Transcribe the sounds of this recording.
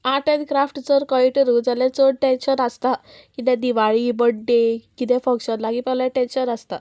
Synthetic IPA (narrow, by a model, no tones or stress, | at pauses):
aʈẽd̪kɾafʈt͡səɾkəiʈəɾud͡zalɛ̃t͡səɽʈẽnɕənəst̪a | kit̪ɛ̃d̪iʋaɭibəɽɖekit̪ɛ̃fə̃ŋɕənlaɡipɛlaʈɛ̃nɕənəst̪a